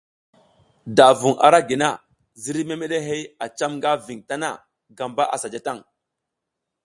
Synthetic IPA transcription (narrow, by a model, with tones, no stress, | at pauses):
da˨vu˨ŋa̰˨ɾa˦ɡi˨na˦˨ | zi˦ɾi˦me˦me˦ɗe˦ɦe˦ja˨t͡ʃa˦mŋɡa˦vi˨ŋta˦na̰˦˨ | ɡa˨mba˦ʔa˨sa˨d͡ʒa˦ta˦˨ŋ